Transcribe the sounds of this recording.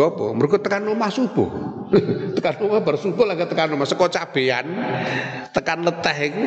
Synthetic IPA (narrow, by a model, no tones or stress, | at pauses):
ɔpɔ̰məɾuɡɔt̪ːəkanːomahsub̥ɔ̰ | t̪əkanomahbarsub̥ɔlaɡat̪əkanumahsəkɔt͡ʃab̥ean | t̪əkanlət̪ɛɦk